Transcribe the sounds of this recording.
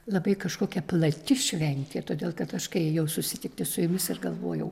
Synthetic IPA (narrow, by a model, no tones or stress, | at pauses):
lˠɐbɐɪkɐʃkoːkʲɛplˠɐt̪ʲɪʃʲʋʲɛnʲt̪ʲeːt̪oːd̪ʲeːlˠkɐt̪ɐʃkɐɪjɛʊsʊsʲɪt̪ʲɪk̚t̪ʲɪsʊjʊmʲɪsɪɾɡɐlˠʋo̰ːjɛʊ